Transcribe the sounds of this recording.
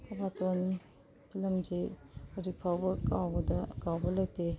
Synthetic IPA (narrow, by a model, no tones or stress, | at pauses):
tʰɐbaton | pʰilɐmzeuɾipʰawbɐkawbɐdɐkawbɐlɐkte